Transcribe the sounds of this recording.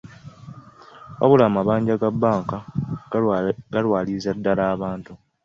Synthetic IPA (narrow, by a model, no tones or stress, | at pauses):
βa̰βulaːmaβaːɲɟaɡabːaːŋka | ɡalwaːliːzadːalaːβaːntu